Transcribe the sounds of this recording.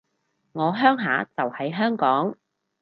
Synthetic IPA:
ŋɔː˨˧ɦœː˥ŋɦaː˨˥t͡sɐ˨whɐ˨˥jɦœː˥ŋkɔː˨˥ŋ

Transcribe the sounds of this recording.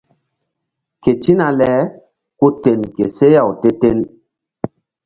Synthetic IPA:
ke˨ti˦na˨lɛ˨˦ | ku˦te˨nke˨se˦ja˨wte˦te˦n

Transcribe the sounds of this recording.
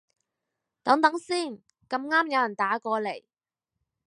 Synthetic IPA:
t̪ɐ˨˥ŋt̪ɐ˨˥ŋsiː˥˩n | kɐ˧mŋaː˥mjɐ˨˧wjɐ˨˩nt̪aː˨˥kɔː˧le˨˩j

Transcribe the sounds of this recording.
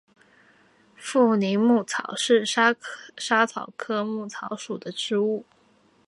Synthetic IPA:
fu˥˩ni˧˥ŋmu˥˩t͡sʰɑ˨˩˦ʊʂɻ̩˥˩˥ʂa˥t͡sʰɑ˨˩ʊkʰɤ˥mu˥˩t͡sʰɑ˧˥ʊʂu˨˩d̪ə˦ʈ͡ʂɻ̩˥u˥˩

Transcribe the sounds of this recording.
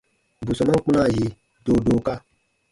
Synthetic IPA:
bu˨sɔ˨mã˦k͡pũ˦na˦˨je˨ | do˨do˨ka˦

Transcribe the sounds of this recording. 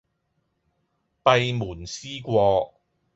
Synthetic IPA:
pɐ˧jmuː˨˩nsiː˥kʷɔː˧

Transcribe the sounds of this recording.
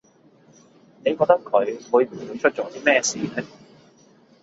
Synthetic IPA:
ne˨˧jkɔː˧k̚t̪ɐ˥kʰɵ˨˧ɥwuː˨˧jm̩˨˩u˨˥jt͡ʃʰɵ˥t̚t͡ʃo˨˥t̪iː˥mɛː˥siː˨˥ɛ˥

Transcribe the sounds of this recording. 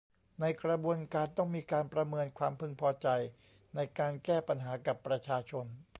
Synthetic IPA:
na˧jkɾa˧bu˧ənkaː˧nt̪ɔ˥˩ŋmiː˧kaː˧npɾa˧mɤː˧nkʰwaː˧mpʰɯ˧ŋpʰɔː˧t͡ɕa˧j | na˧jkaː˧nkɛː˥˩pa˧nɦaː˩˦ka˨˩pːɾa˧t͡ɕʰaː˧t͡ɕʰo˧n

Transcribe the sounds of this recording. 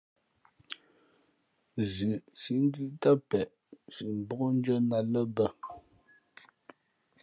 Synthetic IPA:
zʉ˨si˨˦n˦di˦ta˦pɛ˨ʔ | si˨m˨bɔ˦ʔn̩˦d͡ʒɔ˦na˨lə˦bə˦˨

